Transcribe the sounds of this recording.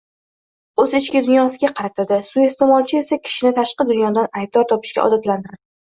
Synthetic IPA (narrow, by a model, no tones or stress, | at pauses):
ɵzɪt͡ʃkʲɪd̪ʊnjɒsɪɡʲaqʰɑɾat̪ʰad̪ɪsue̞st̪e̞mɒlˠt͡ʃʰɪe̞sakʲʰɪ̥ʃɪnɪt̪ʰaʃqɨd̪ʊnjɒd̪anajb̚d̪ɒɾt̪ʰɒpɪ̥ʃkʲa̰ʔɒ̰d̪at̪lant̪ʰɪɾd̪ɪ